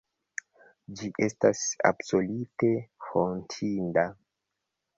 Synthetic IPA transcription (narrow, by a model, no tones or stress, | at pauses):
d͡ʒiʔe̞stasa̰bso̞lute̞fontʰinda